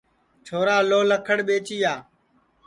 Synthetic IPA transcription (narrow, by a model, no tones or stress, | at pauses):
t͡ʃʰoːɾaːloːləkʰəɽɓeːt͡ʃiːaː